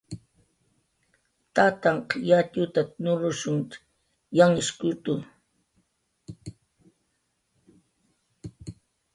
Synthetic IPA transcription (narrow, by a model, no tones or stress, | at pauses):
t̪at̪aɴqjat̪ʊt̪anʊlʊʃʊŋ | jaŋɪskʊt̪ʊ